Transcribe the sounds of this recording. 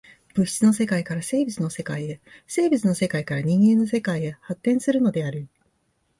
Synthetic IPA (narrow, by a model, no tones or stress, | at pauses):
b̥ɯ̟ɕi̥t͡sɨno̞se̞kaikaɾase̞ːbʲit͡sɨno̞se̞kaie̞se̞ːbʲit͡sɨno̞se̞kaikaɾaɲ̟ĩŋɡẽ̞nːo̞se̞kaie̞hat̪ːẽ̞ɰ̃sɨɾɯ̟no̞d̪e̞aɾɯ̟